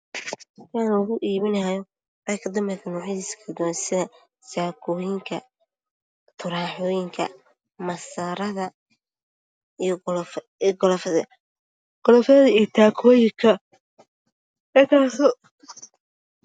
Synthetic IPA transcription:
tʰaːnɔːɣʊʔiːβɪnɐjɔ | ʔɐkʰɐd̪ɐmbɛkʰɐnɔːħɪiːskʰɐd̪nsɪðɐ | saːkʰɔːjɪŋkʰɐ | t̪ʰʊɾaːħɔːjɪŋkʰɐ̰ | mɐsaːɾɐðɐ | ijɡ | ɡɔlfɐðɐ | ɡ̥ɔlɔfɐðɐðɐijt̪ʰaːkʰɔːjɪŋkʰɐ | ɛt̪ʰaːsɔ

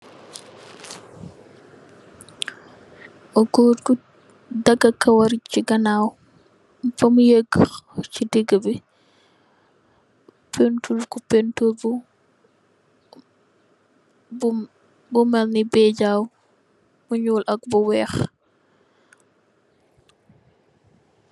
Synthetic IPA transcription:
ʔɔɡoːtku | dɐɡakɐwɐɾit͡ʃiɡɐnaːw | fɐmujeɡt͡ʃidiɡəbi | pentulkupɛntulbu | bumɛlnibɛɟaːw | muɲuːlʔɐk̚bɔwɛːx

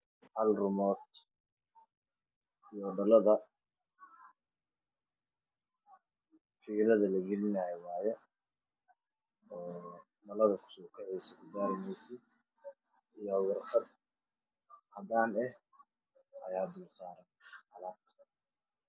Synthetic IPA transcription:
hɐlrʊmɔːd̪ | ijɖɐlɐðɐ | fiːɾɐðɐlɐɡɛlɪnajɛwɑːjɛ | ɔː | mɐlɐðɐkʰʊ̥sɔːkʰɛʕɛjsɛkʊɡaːɾɪmɛjsɪ | ijɔhʊɣɐrxɐd̪ | hɐd̪aːnɛh | ʔɐ̰jaːd̪uːsaːɾɐnɐlaːt̪

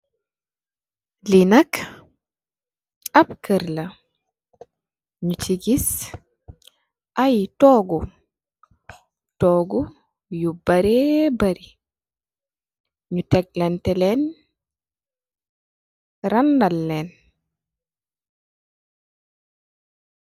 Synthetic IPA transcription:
linak | abkəɾla | ɲut͡ʃiɡis | ʔajtɔːɡu | tɔːɡu | jubaɾebaɾi | ɲutɛɡ̚lɛntɛlɛn | ɾandalːɛn

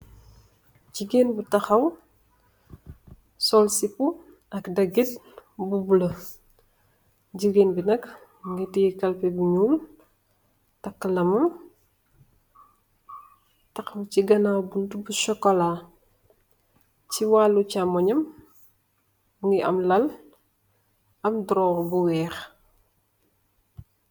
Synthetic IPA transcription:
ɟiɡenbutɐxɐw | sɔlsipu | ʔɐkdɐɡit̚bubulɐ | ɟiɡeːnbinɐk | ŋɡitiikɐlpɛbuɲuːl | tɐkːəlɐmɐm | tɐkmciɡɐnabuntubusɔkɔla | t͡ʃiwalːucamɔɲɐm | ŋɡiʔɐ̰mlɐl | ɐmdɾɔːwbuwɛːx

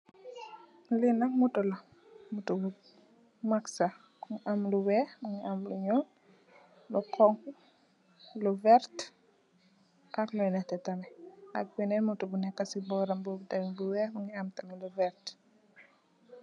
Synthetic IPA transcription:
linamutɔla | mutubu | maksa | kuŋiʔamluwɛmuŋiamluɲɔl | lukʰɔŋku | luvɛɾt | ʔaklɔjnɛtɛtamɛa̰k̚winɛmutubunɛkːasibɔɾambubtamibuwɛmuŋiamtamluvɛɾt

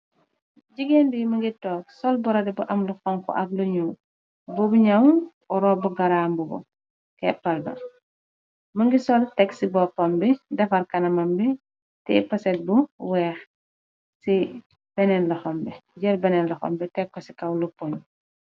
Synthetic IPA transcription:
ɟiɡenbimɐŋɡitɔːk̚sɔlbɔɾɐdɛbuʔɐmluxɔŋkɔ̰ʔɐk̚luɲuː | bɔbuɲaw | ɔɾɔbuɡɐɾaːmbuɡɔ̰ | kɛpːɐldɔ̰n | mɐŋɡisɔltɛksibɔpːɐmbidɐfɐɾkɐnɐmɐmbi | tɛ̰pɐsɛt̚buwɛːx | si | b̥ɛnɛnlɐxɔmbɛɟɛɾbɛnɛnlɐxɔ̰mbɛtɛkkːɔsi̥kɐwlupon

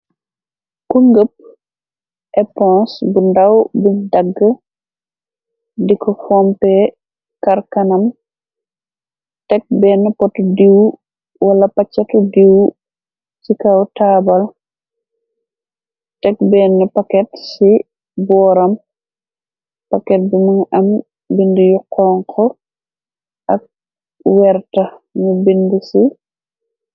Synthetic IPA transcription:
kuŋɡəp̚ | ʔɛpɔ̃sbundɐwbuɲdɐɡːə | dikɔfɔmpɛ | kɐɾkɐnɐm | tɛk̚bɛːnːɛpɔtudiw | wɐlɐpɐt͡ʃːɐtudiw | sikawtaːbɐl | tɛk̚bɛnːɛpɐkɛtsi | bɔːɾɐm | pɐkɛt̚bimiŋɐm | bindijuqʰːɔːŋkʰɔ | ʔɐk̚ | wɛɾtɐɲubindisi

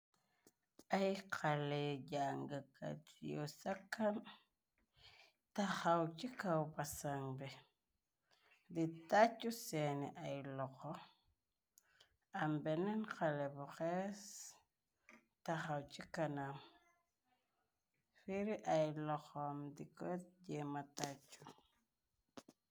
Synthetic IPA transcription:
ajkʰaleɟaŋɡaka̰tijosakːam | tahawt͡ʃikawpasaŋbɛ | ditat͡ʃːusenḭʔajlɔkɔ | ambɛnɛnkalɛbuxɛs | taxawt͡ʃikanam | fiɾiʔajlɔxɔmdikɔt̚d͡ʒɛmatat͡ʃːu

